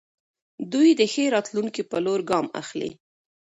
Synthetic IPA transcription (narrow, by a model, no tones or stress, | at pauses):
d̪ujd̪əxeɾɑt̪luŋkipəloɾɡɑma̰xlḭ